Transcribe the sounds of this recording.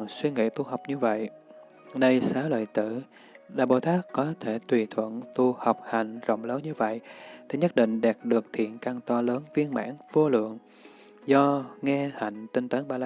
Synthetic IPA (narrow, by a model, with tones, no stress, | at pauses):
swi˧ŋḭ˧˨t̪u˧ha˨˩wk͡p̚ɲɨ˧və̰˧˨j | ɗə˧jsaː˨˦lə̰ː˧˨jt̪ɨ˧˩˨ | ɗa̰ː˧˩ɓo̰˧˩t̪aː˦˥kːɔ˨˦t̪ʰe˧˩t̪wi˨˩t̪ʰwə̰˧˩˨nt̪u˧ha˨˩wk͡p̚ha˨˧˩jŋ̟zə̰˧˨wŋ͡mləː˨˦nɲɨ˧və̰˧˨jʔt̪ʰi˧˩ɲə˦˥t̚ɗḭ̈˧˨ŋ̟ɗɛ˨˩p̚ɗɨ˨˩ək̚t̪ʰḭ˧˨ənkaː˧ŋt̪ɔ˧ləː˨˦nvi˧ənma̰ː˧˥nv̥o˧lɨ̰˧˨əŋ | zɔ˧ŋɛ˧ha̰˧˨jŋ̟t̪i˧nt̪əː˨˦nɓaː˧la˧